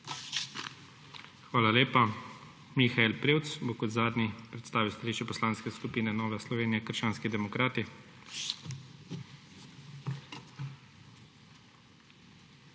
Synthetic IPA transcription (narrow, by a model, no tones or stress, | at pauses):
xʋaːlaleːpa | mixaelpɾiːwt̪sboːkɔd̪zaːd̪nipɾɛt̪st̪aːʋiwst̪aliʃt͡ʃɛpɔslaːnskɛskupiːnɛnɔːʋɛslɔʋeːnijɛkəɾʃt͡ʃaːnskid̪ɛmɔkɾaːt̪i